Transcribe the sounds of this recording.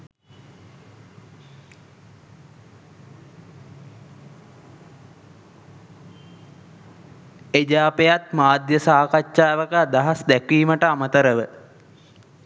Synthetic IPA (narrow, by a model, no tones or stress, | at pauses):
ed͡ʒaːpejat̪maːd̪jəsaːkat͡ʃt͡ʃaːʋəkəd̪aɦasd̪ækʋiːməʈəamət̪əɾəʋə